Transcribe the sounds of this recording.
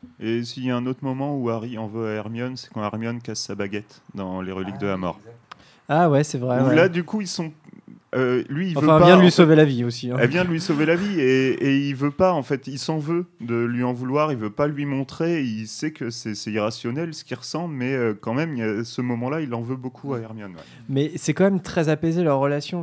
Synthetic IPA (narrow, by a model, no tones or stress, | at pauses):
esiljaɛ̃not̪χmɔmɑ̃uaʁiɑ̃vøaɛʁmjɔnsɛ̥kɑ̃aʁmjɔnkasːabaɡʲɛt̪ | d̪ɑ̃leʁəlik̚d̪əlamɔ̰ʁ | awɛsɛvʁɛlad̪ykuilsɔ̃ølɥĩːvøɛ̃vpajɛ̃d̪əlisovelaviosĩɛlvjɛ̃d̪əlɥisovelavieeilvøpaɑ̃fɛt̪ilsɑ̃vød̪əlɥiɑ̃vulwaʁilvøpalɥimɔ̃t̪χeilsɛkəsɛsɛt̪iʁasjɔnɛlsə̥kʲiʁəsɑ̃blmɛøkɑ̃mɛmilasəmɔmɑ̃lailɑ̃vøbokʰuaɛʁmjɔnwɛ̰ | mɛsɛkɑ̃mɛmt̪χɛzapezelœʁːəlasjɔ̃